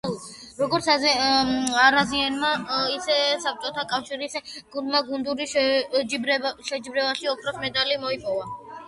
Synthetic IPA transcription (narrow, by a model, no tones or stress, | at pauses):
ɾɔɡɔɾt̪sʰ | ɾazianmaisɛsap̚t͡ʃʼɔt̪ʰakʼafʃiɾisɡ̥und̪maɡund̪uɾiʃd͡ʒibɾɛʃɛd͡ʒibɾɛvaʃiɔpʰɾɔsmɛd̪alimɔipʼɔva